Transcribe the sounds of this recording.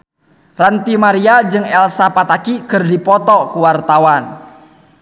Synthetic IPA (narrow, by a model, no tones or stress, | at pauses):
rant̪imaɾiad͡ʒɨŋɛlsapat̪akikərdipɔt̪ɔkuwart̪awan